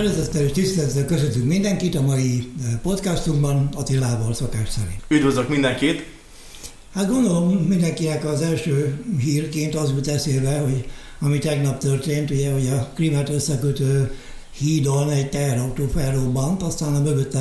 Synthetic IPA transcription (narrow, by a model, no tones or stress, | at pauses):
ɛɾɛzɛt̪ːɛliʃt̪ist̪ɛlɛt̪ːɛlkøsøt̪ːyŋkmind̪ɛŋkit̪ɒmɒjipo̞t̪kast̪uŋbɒnɒt̪ilːaːvɒlso̞kaːʃsɛ̰ɾḭnyd̪ʋøzøkmind̪ɛŋkit̪ | hat̪ɡo̞nd̪o̞lomːind̪ɛŋkinɛkɒzɛlʃøːɦiːrkeːnt̪ɒzult̪ɛseːlvɛho̞ɟ | ɒmit̪ɛɡnɒpt̪ørt̪eːnt̪uɟɛho̞ɟɒklimɛt̪øsːɛkøt̪øː | hiːd̪onɛɟt̪ɛɦɛɾɒwt̪oːfɛrrobɒnt̪ɒst̪aːnɒmøvøt̪ːɛ